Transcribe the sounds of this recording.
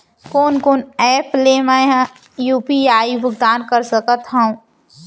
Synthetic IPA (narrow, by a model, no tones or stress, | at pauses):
koːnkoːnɛːpʰlemaɦã | juːpiaːibʱʊɡd̪aːnkəɾsəkət̪ɦãũ